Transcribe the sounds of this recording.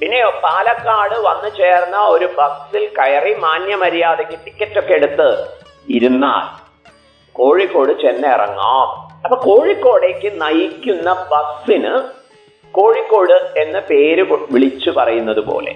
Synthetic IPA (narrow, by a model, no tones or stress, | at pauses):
pinːe̞opaːlɐkːaːɽɨʋɐnːɨt͡ɕe̞ːrnːɐo̞ɾubɐksilkɐjɐrimaːnjɐmɐɾijaːðekʲːɨʈi̥kʲːɐtːo̞kːe̞ɽut̪ːɨ | iɾunːa̰ːl | ko̞ːɻikːo̞ːɽɨt͡ɕenːɐḭrɐ̰ŋːa̰ːmɐpːɐːko̞ːɻikːo̞ːɽe̞kʲːɨnɐjikʲːunːɐbɐksinɨ̰ | ko̞ːɻikːo̞ːɽɨe̞nːɨpe̞ːɾɨʋiɭit͡ɕːɨpɐrɐjunːɐðupo̰ːlḛ